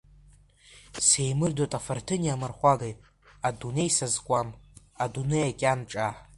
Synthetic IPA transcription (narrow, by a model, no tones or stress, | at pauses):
se̞jmɨrdotʼafartʰɨniamarχʷaɡejʼ | adune̞jsazkʷʼam | adunejakʲʼanʈ͡ʂʼa